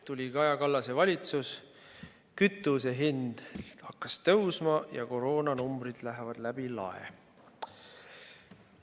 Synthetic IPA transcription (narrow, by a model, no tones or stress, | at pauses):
t̪ulʲikɑjɑkɑlːɑse̞vɑlʲit̪sus | kyt̪ːˑuseɦind̪̥hɑkːɑst̪ɤwsmɑjɑ̰ko̞ɾo̞ːnɑnumb̥ɾid̪̥læɦevɑd̪̥læb̥ilɑ̰ḛ